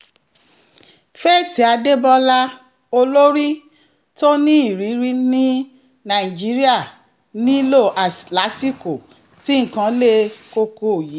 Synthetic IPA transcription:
fɛ˦˨ti˨˦a˧de˦bɔ˦la˦ | o˧lo˦ɾi˦ | to˦nĩ˦i˦˨ɾi˨˦ɾi˦nĩ˦ | nã˨i˨d͡ʒi˨˦ɾi˦a˦˨ | nĩ˦lo˦˨ʔa˨la˨˦si˦ko˨ | ti˦ŋ̩˨kã˧˦le˧ko˧ko˨ji˨˦

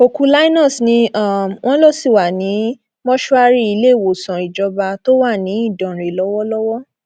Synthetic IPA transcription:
o˧ku˦la˦i˦nɔ̃˦˨snĩ˧˦a˦˨w̃ʔɔ̃˦lɔ˦˨si˦˨wa˨nĩ˨˦ | mɔ̃˦ʃɔ˦a˧ɾi˦i˧le˦˨wo˨sã˨i˨d͡ʒɔ˧ba˧to˦wa˦˨nĩ˨˦i˦˨dɔ̃˨ɾe˨lɔ˨˦wɔ˦lɔ˦wɔ˦

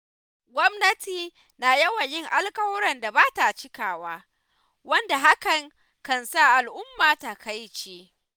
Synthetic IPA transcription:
ɡʷɔ˦mnɐ˦tiː˨ | naː˨jɐ˦wɐ˨ɲjɪ˦ŋʔa˦lkʼɐ˦wɔ˦ɾɐ˨nda˨baː˦ta˨t͡ʃɪ˦kaː˨waː˦ | wɐ˦nda˨ɦa˦kɐ˨ŋ | kɐ˨nsa˦˨ʔa˨lʔʊ˦mːaː˨ta˨kʰa˦jt͡ʃeː˦

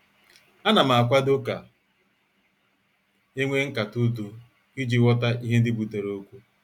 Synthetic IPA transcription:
a˦na˨m̩˨a˨kʷa˦do˦ka˨ | e˦ŋʷe˦ŋ̩˦ka˨tu˦du˦ | i˦d͡ʒi˦wɔ˦ta˦ʔi˦ɦe˦n̩˦dɪ˦bu˨te˨ɾo˨o˦kʷu˦

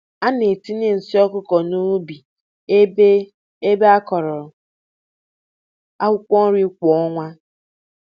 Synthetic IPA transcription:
a˦ne˨ti˦ne˦n̩˨si˦ɔ˦kʊ˦kɔ˨nu˦bi˨˦ | e˦be˦a˦kɔ˨ɾɔ˨ɾɔ˨ | a˦wʷʊ˦kʷɔ˦n̩˦ɾi˦kʷɔ˨˦ɔ˦ŋʷa˦

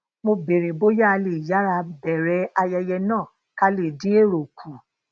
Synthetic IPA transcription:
mo˧be˨ɾĩ˨bo˦ja˦a˧le˨ja˨˦ɾa˧bɛ˨ɾɛ˨˦a˧jɛ˧jɛ˧nãː˦˨ | ka˧le˨dĩ˨˦e˦˨ɾo˨kʰũ˨

